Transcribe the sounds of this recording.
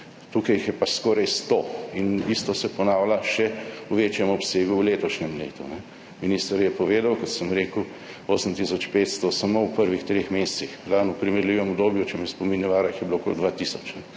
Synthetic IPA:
t̪ukɐjixjɛpaskɔːɾajst̪oinist̪ɔsɛpɔnaːwlaʃɛuʋeːt͡ʃjɛmɔpseːɡuwleːt̪ɔʃnɛmlḛːt̪unɛ | minist̪əɾjɛpɔʋeːd̪awkɔt̪səmɾeːku | oːsəmt̪isɔt͡ʃpeːt̪st̪ɔsamowpəɾʋixt̪ɾeːxmeːst̪sixblanupɾimɛɾliːʋɛmɔbd̪oːbjut͡ʃɛmɛspominjɛʋaːɾaixjɛbiloko̰ld̪ʋat̪isɔt͡ʃnɛ

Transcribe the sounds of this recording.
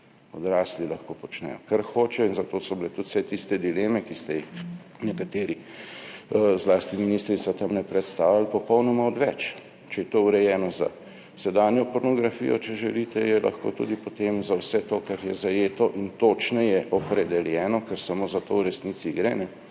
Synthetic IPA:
ɔd̪ɾaːslilɐxkopɔt͡ʃnɛ̰jɔkaɾxoːt͡ʃɛjɔinzat̪oːsɔbilɛt̪ut̪w̥sɛt̪ist̪ɛd̪ileːmɛkist̪ɛjix | nɛkat̪eːɾi | zlaːst̪iminist̪ɾit̪sat̪amnɛpɾɛt̪st̪aːwlalpɔpɔwnɔmaɔd̪ʋɛt͡ʃ | t͡ʃɛjɛt̪ouɾɛjɛːnɔza̰ | sɛd̪anjɔpɔɾnɔɡɾafḭjɔt͡ʃɛʒɛlit̪ɛjɛlʔa̰xko̰t̪ṵd̪ipɔt̪emzawsɛt̪okaɾjɛzajeːt̪ɔʔint̪oːt͡ʃnɛjɛʔɔpɾɛd̪ɛljɛːnɔkɛɾsamoːzat̪owɾɛsniːt̪siɡɾɛnɛ

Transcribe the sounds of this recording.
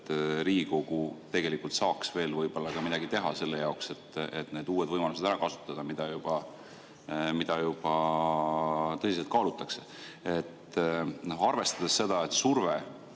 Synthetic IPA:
t̪ɾiːɡiko̞ɡ̥ut̪e̞ɡ̥e̞likult̪sɑːksve̞ːlvɤjb̥o̞lːɑkɑmid̪ɑɡit̪e̞ɦɑse̞lːe̞jɑokse̞t̪ːet̪ne̞ːd̪uːe̞d̪̥vɤjmɑluse̞d̪æɾɑkɑsu̥t̪ːˑɑd̪̥ɑmid̪̥ɑjub̥ɑ | mid̪ɑjub̥ɑ | t̪ɤsis̬et̪kɑːlut̪ːˑɑkse | et̪ː | noɑrve̞st̪ɑd̪̥e̞sːe̞d̪̥ɑe̞t̪surve

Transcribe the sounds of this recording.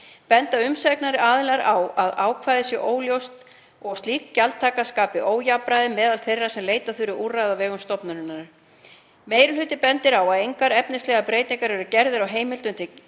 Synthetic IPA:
pɛnt̪aʏmsɛknaɾɪʔaːðɪlaɾawaðaːwkʰvaːjðɪsjɛʔoːwljowst̪ | ɔɣst̪liːkcalt̪ʰaːkaskaːpɪʔoːwjapɾajðɪmɛːðalθejrːasɛmleːjt̪aθʏɾʏʔuːrajðavɛːɣʏmst̪ɔpnaɾʏnːaɾ̥ | meːjɾʏlʏt̪ɪpɛnt̪ɪɾawaðejŋkaɾɛpnɪst̪lɛːɣapɾejt̪niŋkaɾɛɾʏcɛɾðɪɾawɦeːjmɪlt̪ʏnt̪ɪ

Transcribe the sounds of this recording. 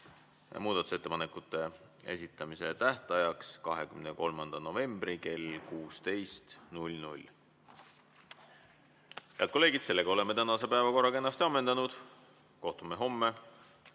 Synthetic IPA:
muːd̪̥ɑt̪u̥se̞t̪ːe̞pɑnekːut̪ːˑe̞ | e̞̰sit̪ːˑɑmise̞t̪æht̪ɑjɑkskɑɦe̞kymneko̞lmɑnd̪̥ɑno̞ve̞mb̥rike̞lkuːst̪e̞jst̪nulʲnulʲ | jɑ̰t̪̚kolːeːɡid̪̥se̞lːeɡɑo̞le̞mːe̞t̪ænɑse̞pæevɑko̞rːɑkenːɑst̪iɑmːe̞nd̪̥ɑnud̪̥ | ko̞ht̪umeɦo̞mːe

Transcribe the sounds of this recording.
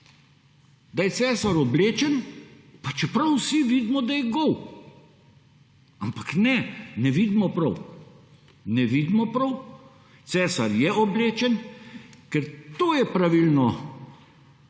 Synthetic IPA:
d̪ajɛtsɛːsaɾɔbleːt͡ʃɛn | pat͡ʃɛpɾɐwsiʋiːd̪mɔd̪ajɛɡɔw | ampḁknɛnɛʋid̪mɔpɾɐw | nɛʋid̪mɔpɾɐw | t̪sɛːsaɾjɛʔɔbleːt͡ʃɛnkɛɾt̪oːjɛpɾaʋilnɔ

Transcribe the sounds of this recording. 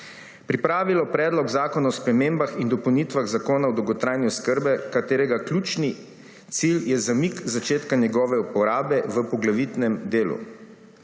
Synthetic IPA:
pɾipɾaːʋilɔpɾɛːd̪lɔɡzaːkɔnaɔspɾɛmeːmbaxind̪ɔpəwnit̪ʋaɣzakoːnaɔd̪ɔwɡɔt̪ɾajniɔskəɾbɛkat̪eːɾɛɡaklʲut͡ʃni | t̪siljɛzamikzat͡ʃeːt̪kanɛɡɔːʋɛupɔɾaːbɛʋəpɔɡlaʋit̪nɛmd̪eːlṵ

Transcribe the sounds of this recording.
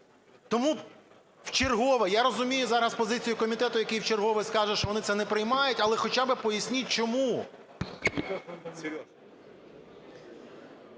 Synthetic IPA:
t̪ɔmu | wt͡ʃerɦɔʋɛjaɾɔzʊmʲijʊzɑɾɐspɔzɪt͡sʲijʊkɔmʲit̪ɛt̪ʊjɐkʲejwt͡ʃerɦɔʋɪskɑʒɛʃt͡ʃɔʋɔnɪt̪sɛnɛpɾɪjmɑjʊtʲɐlˠɛxɔt͡ʃabɪpɔjɐsʲnʲit̚ʲt͡ʃɔmu

